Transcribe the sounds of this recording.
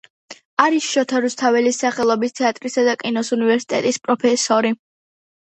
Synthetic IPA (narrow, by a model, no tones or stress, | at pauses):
aɾisʃɔt̪ʰaɾust̪ʰavɛlisaχɛlˠɔbist̪ʰɛat̪ʼɾisad̪akʼinɔsunivɛɾsi̥t̪ʼɛt̪ʼispʼɾɔpʰɛsɔɾi